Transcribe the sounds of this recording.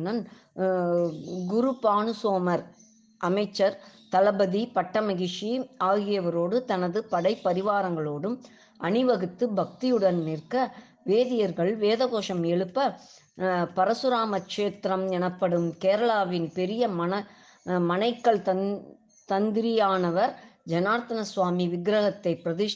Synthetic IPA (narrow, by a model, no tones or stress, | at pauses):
nɐn | ɡʊɾupaːnɯsoːmɐɾ | ʔɐmɐɪt͡ʃːɐɾt̪ɐlɐbɐðipɐʈːɐmɐɣɪʂiaːɣɪjɐʋɐɾoːɽɯt̪ɐnɐðɯpɐɽɐɪpːɐɾɪʋaːɾɐŋɡɐɭoːɽɯm | ʔɐnɪʋɐɣɯt̪ːɯbɐk̚t̪ijɯɽɐnnɪɾkɐ | ʋeːðɪjɐɾɣɐɭʋeːðɐɣoːʂɐmɛɭɯpːɐ | pɐɾɐsɯɾaːmɐkʂeːt̪ɾɐmɛnɐpːɐɽɯmkeːɾɐɭaːʋɪnpɛɾɪjɐmɐnɐ | mɐnɐɪkːɐɭt̪ɐ | t̪ɐnd̪ɪɾɪjaːnɐʋɐɾd͡ʒɐnaːɾt̪ːɐnɐsʋaːmiʋɪɡɾɐɣɐt̪ːɐɪpːɪɾɐðɪ